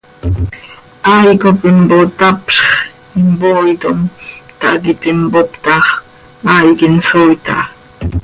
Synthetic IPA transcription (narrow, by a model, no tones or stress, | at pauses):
ajkopɪmbot̪apʃχ | ɪmbojt̪omt̪aʔkɪpɪmbopt̪ɑχ | ajkɪnsojt̪a̰